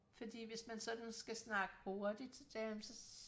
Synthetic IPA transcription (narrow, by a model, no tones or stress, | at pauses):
fɒ̽d̥ḭːʋe̝smænsɒ̽d̥n̩sɡ̥æsnɑ̈ɡ̥əho̝ɐd̥id̥sd̥ɛmsɒ̽